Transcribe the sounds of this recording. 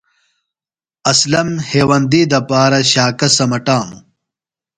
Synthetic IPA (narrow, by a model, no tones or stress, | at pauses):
ɐslɐmheːwɐnd̪iːd̪ɐpaːɾɐɕaːkɐsɐmɐʈaːmṵ